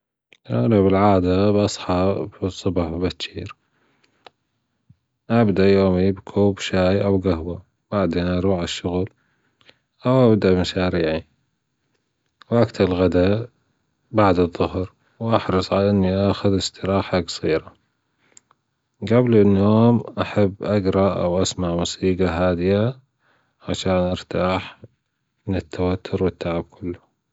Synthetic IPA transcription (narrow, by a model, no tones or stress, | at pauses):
a̰labɪlʕaːd̪abʔɑsˤħɑbsˤːɨbɑħbat̪ʃiːɾ | ʔabd̪aʔjoːmibkʰuːbʃaːjʔawɡaɦwa | baʕd̪eːnʔɑɾˤuːʕɪʃːʊɣl | ʔawʔabd̪aʔmaʃaːɾiːʕi | wʔakt̪alɣad̪a | baʕd̪ɨðˤːʊhɾ | wʔɑħɾɨsˤʕalaʔɪnːiʔaxʊðɪst̪ɪɾɑːħakḁsˤiːɾa | ɡablɪnːoːmʔaħabːʔaɡɾˤɑʔa̰wʔasmaʕmʊsiːɡaɦaːd̪ɪja | ʕaʃaːnʔɑɾˤt̪aːħ | mɪnɪt̪ʰːawat̪ʰːʊɾwɪt̪ːaʕɪb̚kʰʊlːʊ